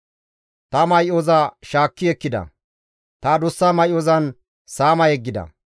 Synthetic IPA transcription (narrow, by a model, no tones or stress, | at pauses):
t̪ɐmɐjʔoːzaʃaːkːɪɛkːɪd̪ɐ̰ | t̪ad̪ʊsːaːmɐjʔoːzɐn | saːmɐjɛɡːɪd̪ɐ̰